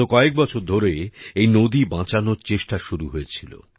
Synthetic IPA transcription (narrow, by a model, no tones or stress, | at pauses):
okɔek̚bɔt͡ɕʰoɾd̪ʱoɾeejnod̪ibãt͡ɕanoɾt͡ɕeʃʈaʃuɾuɦoet͡ɕʰilo̰